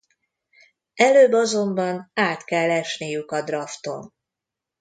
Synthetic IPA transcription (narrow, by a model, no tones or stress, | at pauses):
ɛløːbːɒzo̞mbɒnaːt̪kɛlːɛʃnijykɒd̪rɒft̪o̞̰n